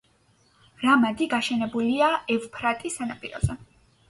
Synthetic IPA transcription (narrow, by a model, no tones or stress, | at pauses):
ɾamad̪iɡaʃɛnɛbuliaɛvpʰɾat̪ʼisanapʼiɾɔ̰zɛ